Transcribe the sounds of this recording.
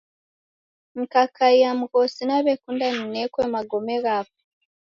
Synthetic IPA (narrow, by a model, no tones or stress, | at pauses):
mukakʰaijamukosinaβekundaninekwemaɡomeɣaβo